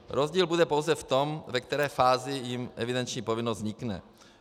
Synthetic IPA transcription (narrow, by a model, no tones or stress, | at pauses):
ɾozɟiːlbudɛpowzɛft̪omvɛk̚t̪ɛɾɛːfaːzɪjɪmʔɛvɪdɛnt͡ʃɲiːpovɪnost̪zɲɪknɛ̰